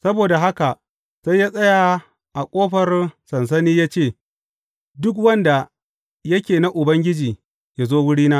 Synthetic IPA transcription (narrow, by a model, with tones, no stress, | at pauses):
sɐ˦boː˨da˨ɦa˦ka˨ʔ | se˦jaː˦sʼɐ˦ja˨ | ʔa˨kʷʼoː˦ɸɐ˨rsɐ˨ns̬ɐ˦niː˦jaː˦t͡ʃeː˦˨ | dʊ˦k̬wɐ˦nda˨ | jɐ˦kʲeː˨na˦ʔʊ˨bɐ˦ŋɡʲɪ˦d͡ʒiː˨ | jaː˦zoː˦wʊ˦ɽiː˦naː˦